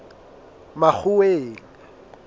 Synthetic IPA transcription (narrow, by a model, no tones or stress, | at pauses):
mak͡xʰʊweːŋa